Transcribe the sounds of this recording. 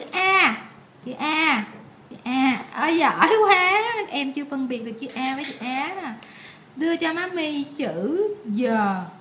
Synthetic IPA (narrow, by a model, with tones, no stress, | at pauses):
t͡ɕɨ̰˧˩ʔaː˧ | t͡ɕɨ̰˧˩˨ʔaː˧ | t͡ɕɨ̰˧˨ʔaː˧ʔəː˧˩zə˧˨˩jkwaː˨˦˨ʔɛ˧mt͡ɕɨ˧əfə˧nɓi˨˩ət̚ɗɨ˨˩k̚t͡ɕɨ˧˩ʔaː˧vəː˨˦jt͡ɕɨ̰˧˨ʔaː˨˦nə˧˩ | ɗɨ˧ət͡ɕɔ˧maː˨˦mi˧t͡ɕɨ˧˨zəː˨˩